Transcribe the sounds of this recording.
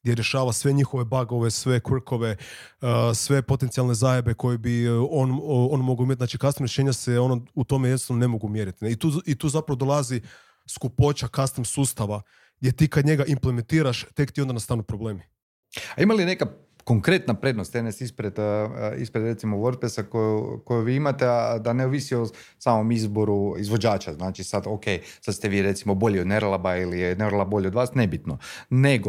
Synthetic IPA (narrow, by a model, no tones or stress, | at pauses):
ɡd̪jeɾje̞ʃaːʋasʋe̞ɲixo̞ʋe̞baɡo̞ʋe̞sʋe̞kʋr̩kʰo̞ʋe̞ | sʋe̞po̞t̪ent̪sijalˠne̞zajebe̞kʰo̞jebio̞nonmo̞ɡawuimʲjet̪naːt͡ʃikasimɾeʃe̞ːɲaseo̞nout̪o̞mejenst̪anone̞moɡumjeɾit̪ineit̪uit̪uːzapɾaʋo̞d̪o̞lˠazi | skupo̞t͡ʃakast̪imsuːst̪aʋa | ɡd̪jet̪iːkad̪ɲe̞ɡaʔimplement̪iːɾaʃt̪e̞kt̪iod̪anast̪aːnupɾoble̞ːmi | aimalineka | koŋkɾe̞t̪napɾe̞d̪nost̪enesispɾed̪ḭspɾed̪ɾet̪simoʋoɾt̪̚pesakojukojuʋiːimat̪ead̪aneuʋisio | saːmomizboɾuizʋo̞d͡ʒaːt͡ʃaznaːt͡ʃisad̪okej | sad̪st̪eʋiːɾe̞t̪simobo̞ʎiod̪neɾlˠabailijeneɾlˠabo̞ʎeod̪ʋaːsnebit̪noneɡo